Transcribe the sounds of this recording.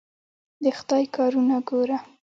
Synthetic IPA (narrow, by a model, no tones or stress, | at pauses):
d̪əxd̪ɑjkɑɾunaɡoɾa